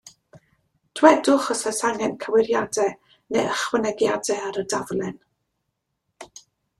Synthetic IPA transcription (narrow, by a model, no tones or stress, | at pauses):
d̥wɛdʊχɔsɛsaŋɛnkʰəwɪɾjadɛ | neəχwənɛɡjadɛaɾədaðlɛn